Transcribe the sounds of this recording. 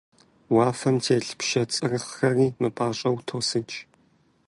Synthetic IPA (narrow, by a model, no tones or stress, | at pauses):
waːfɐmtʰeːɬpʃɐt͡sʼɨrɨχxɐriːmɨpʼaːɕʼɐwtʰoːsɨt͡ʃʰʼ